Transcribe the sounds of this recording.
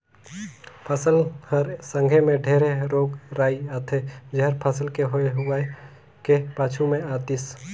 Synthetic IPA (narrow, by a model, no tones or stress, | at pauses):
pʰəsəlhəɾsə̃ŋɡʱemẽɖʱeːɾeɾoːɡɾaːiaːt̪ʰed͡ʒeɦəɾpʰəsəlkeɦoeɦʊa | kepaːt͡ʃʰumẽaːt̪is